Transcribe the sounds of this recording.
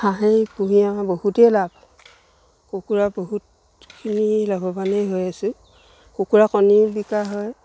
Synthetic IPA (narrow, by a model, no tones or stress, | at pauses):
xãɦejpuɦijabohutɛlab̚ | kokuɹaboɦut | kʰinilɔbɔbanejɦojasʊ̃ | kokuɹakɔnibikaɦɔj